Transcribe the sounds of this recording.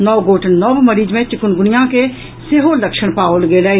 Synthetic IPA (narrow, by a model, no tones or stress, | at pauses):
nɔːɡoːʈʰnnɔːʋməɾiːd͡ʒmẽt͡ʃɪkʊnɡʊnɪjãke | seɦoləkʃəɽ̃paːolɡeːləe